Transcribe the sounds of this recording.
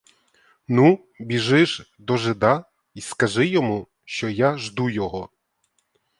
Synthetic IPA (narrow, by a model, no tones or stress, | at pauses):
nu | bʲiʒɪʒ | d̪ɔʒɪd̪ɑ | iskɐʒɪjɔmu | ʃt͡ʃɔjaʒd̪ujɔɦɔ